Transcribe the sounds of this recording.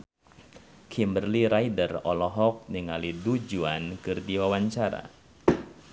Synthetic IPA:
kʰimbərliɾaidərɔlɔɦɔk̚niŋalidud͡ʒuankɨrdiwawaɲt͡ʃaɾa̰

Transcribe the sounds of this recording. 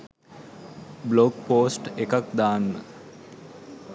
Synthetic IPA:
bloɡpoːsʈekak̚d̪aːnːə

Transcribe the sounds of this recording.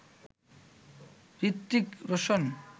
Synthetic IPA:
ɾit̪ːikɾoʃon

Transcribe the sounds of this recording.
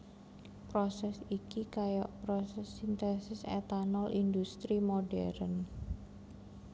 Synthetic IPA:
pɾosɛsikikajɔʔpɾɔsɛsint̪ɛnsɪsɛ̰t̪anɔlindust̪ɾimoɖɛ̰ɾən

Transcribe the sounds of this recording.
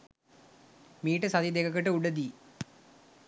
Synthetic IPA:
miːʈəsɐt̪id̪ekɐkəʈəuɖəd̪iː

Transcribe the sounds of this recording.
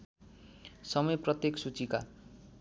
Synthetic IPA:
sʌmʌjprʌt̪jeksut͡sika̰

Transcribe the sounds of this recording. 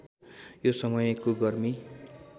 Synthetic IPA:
josʌmʌjʌkoɡʌrmi

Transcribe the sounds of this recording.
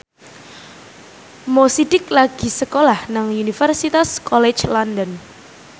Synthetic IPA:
mosidɪklaɡ̥i̤səkolahnaŋunifərsit̪askɔlɛt͡ʃlɔndən

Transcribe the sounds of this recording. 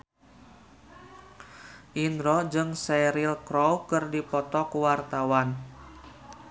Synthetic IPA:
ʔinɾɔd͡ʒɨŋsɛɾilkɾɔwkɨrdipɔt̪ɔkuwart̪awan

